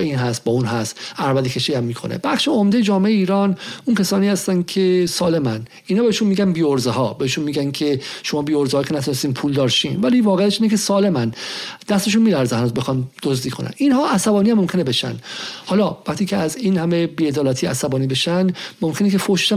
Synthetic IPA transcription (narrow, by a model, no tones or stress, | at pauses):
iːnɦæst̪̚bɒːuːnɦæst̪æɾvæd̪ecʰeʃijæmːiːkʰo̞̰nḛb̥æχʃeomd̪ejed͡ʒɒːmeeeiːɾɒːnuncʰæsɒːniːhæst̪ænkʲʰesɒːle̞mæn | inhɒːbeeʃunmiːɡænbiːoɾzeɦɒːbeeʃunmiːɡænkʰeʃo̞mɒːbiːoɾzeɒːkʰenæt̪ʰune̞st̪iːnpʰuːld̪ɒːɾʃiːnvæliːvɒːɣeæʃiːnekʰe̞sɒːle̞mænd̪̥æst̪e̞ʃ̬uːnmiːlæɾzæd̪bexɒnd̪̥ozd̪iːkʰonæ̰ninhɒːʔæsæbɒːniːæmːomkʰʲe̞nebe̞ʃæ̰nd̪hɒːlɒːvæχt̪ʰiːcʰeæzinhæme̞biːe̞d̪ɒːlæːt̪ʰiʔæsæbɒːniːbe̞ʃænmomkʰe̞nekʰe̞foʃe̥ʃæ